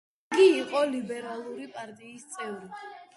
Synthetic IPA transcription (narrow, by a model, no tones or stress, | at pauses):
ɡiːqʼɔlibɛɾalˠuɾipʼaɾt̪ʼiːst̪sʼɛvɾi